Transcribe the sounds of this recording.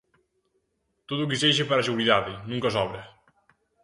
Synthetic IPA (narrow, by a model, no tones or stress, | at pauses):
t̪oðuk̬iseʃepaɾas̬eβuliðaðɪnũŋkɐsɔβɾɐ